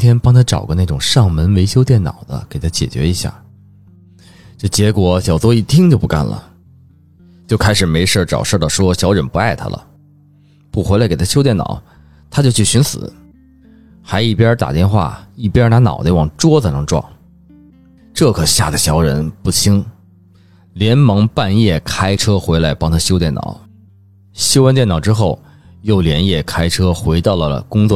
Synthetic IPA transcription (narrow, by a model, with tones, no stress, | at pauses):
nt̪ʰjɛ˥npɑ˥ŋt̪ʰa˥ʈ͡ʂɑ̰˨˩ʊɡə˧˦na˥˩ʈ͡ʂʊ˨˩ŋʂɑ˥˩ŋmə˧˥nwe˧˥ɪɕjo˥ʊt̪jɛ˥˩nnɑ̰˨˩ʊd̪ə̰˦ke˨ɪt̪ʰa˥t͡ɕjɛ̰˨˩t͡ɕɥɛ̰˧˥i˧˥ɕja̰˥˩ | t͡ɕo˥˩t͡ɕjɛ˧˥kwɔ˨˧˥ɕjɑ˨˩ʊt͡swɔ˥i˥˩t̪ʰi˥ŋt͡ɕjo˥˧ʊpu˧˥ka̰˥˩nlə̰˩ | t͡ɕjo˥˧ʊkʰa˥ɪʂɻ̩˨˩me˧˥ɪʂə˥˩ʈ͡ʂɑ̰˨˩ʊʂə˞˥˧˩ɑ˨˩ʂwɔ˥ɕjɑ˧˥ʊɻə˧˥npu˧˥a˥˩ɪt̪ʰa̰˥lə̰˩ | pu˥˩xe˧˥la˧˥ke˨˩t̪ʰa˥ɕjʊjɛ˥˩nɑ̰˨˩˦ʊ | t̪ʰa˥t͡ɕjo˥˧ʊt͡ɕʰy˥˩ɕy˧˥nsɹ̩̰˨˩˦ | xa˧˥ɪi˥˩pjɛ˥t̪a̰˨˩t̪jɛ˥˧nxwa̰˥˩i˥˩pjna˧˥nɑ̰˨˩ʊd̪ə˧˥wɑ˨˩ŋʈ͡ʂwɔ˥t͡sə˨˩nɤ˧˥ŋʈ͡ʂwɑ̰˥˩ŋ | ʈ͡ʂɤ˥˩kʰɤ˨˩ɕja̰˥˩d̪ə˩ɕjɑ˧˥ʊɻə̰˧˥npu˥˩t͡ɕʰi˥ŋ | ljɛ˧˥nmɤ˧˥ŋpa˥˧njɛ˥˩kʰa˥ɪʈ͡ʂʰɤ˥xwe˧˥ɪla˧˥ɪpɑ˥ŋt̪ʰa˥ɕjo˥ʊt̪jɛ˥˩nɑ̰˨˩˦ʊ | ɕjo˥ʊwə˥nt̪jɛ˥˩nɑ˨˩ʊʈ͡ʂɻ̩˥xo˥˩ʊ | jo˥˩ʊljɛ˧˥njɛ˥˩kʰa˥ɪʈ͡ʂʰɤ˥xwe˧˥ɪt̪ɑ˥˩ʊlə˩ə̰˩kʊ˥ŋt͡swɔ˥˩